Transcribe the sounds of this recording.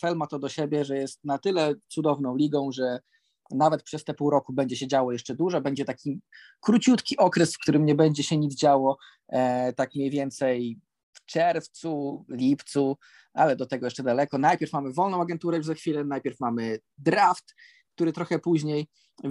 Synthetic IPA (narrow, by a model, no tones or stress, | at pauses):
fɛlmat̪ɔd̪ɔɕɛbʲjɛʐɛjɛst̪̚nat̪ɘlɛt̪sud̪ɔvnɔ̃w̃lʲiɡɔ̃w̃ʐɛ | navɛt̪̚pʂɛst̪ɛpuwɾɔkubɛɲd͡ʑɛɕɛd͡ʑawɔjɛʂt͡ʂɛd̪uʐɛbɛɲd͡ʑɛt̪akʲi | kɾut͡ɕut̪kʲiʔɔkɾɛsfkt̪uɾɘmɲɛbɛɲd͡ʑɛɕɛɲid̪zd͡ʑawɔ | t̪akmɲejvʲjɛnt̪sɛj | ft͡ʂɛɾft̪sulʲipt̪su | ʔalɛd̪ɔt̪ɛɡɔjɛʂt͡ʂɛd̪alɛkɔnajpʲjɛɾfmamɘvɔlnɔ̃w̃aɡɛnt̪uɾɛjuzaxfʲilɛnajpʲjɛɾfmamɘ | d̪ɾaft̪ | kt̪uɾɘt̪ɾɔxɛpuʑɲej